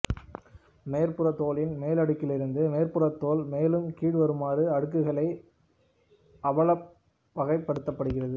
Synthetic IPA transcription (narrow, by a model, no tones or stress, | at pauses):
meːɾpɯrɐt̪ːoːlɪnmeːlɐɽɯkːɪlɪɾɯnd̪ɯmeːɾpɯrɐt̪ːoːlmeːlɯmkiːɽʋɐɾɯmaːrɯɐɽɯkːɯɣɐɭɐɪ | ʔɐʋɐɭɐ | ʋɐɣɐɪpːɐɽɯt̪ːɐpːɐɽɯɣɪrɐðɯ